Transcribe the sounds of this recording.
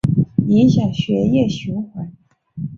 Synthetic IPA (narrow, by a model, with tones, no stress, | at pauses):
i˧˥nɕja˨˩ɕɥɛ˧˥jɛ˥˩ɕu˧˥ŋxwa˧˥˦n